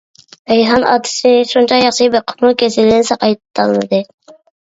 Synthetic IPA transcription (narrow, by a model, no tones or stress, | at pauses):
bɛjɦɑnɑ̰ːt̪ʰɨ̥sɪʃunt͡ʃʰɑjɑχʃɨbeqʰʊ̥mukʲʰesɪlɪnɪsɑqʰɑjt̪ʰːɑlˠnɨd̪ɨ